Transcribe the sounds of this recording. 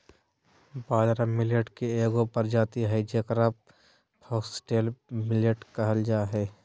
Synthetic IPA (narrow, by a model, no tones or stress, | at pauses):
baːd̪ɾamɪljəʈkeeːɡõpɐɾd͡ʒaːt̪iɦɛd͡ʒekɾap̚ | hɔːksʈeːlmɪljəʈkɐɦəld͡ʒaːɦɛː